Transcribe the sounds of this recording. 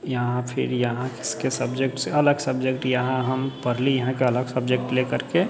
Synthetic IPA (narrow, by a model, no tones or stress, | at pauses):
jɐɦãpʰɪ̰ɾjɐɦãkɪ̥skesɐbd͡ʒekʈseɐləɡsɐbd͡ʒekʈjɐɦãɦɐmpɐɾlijɐɦãkeɐləɡsɐbd͡ʒek̚ʈlekəɾke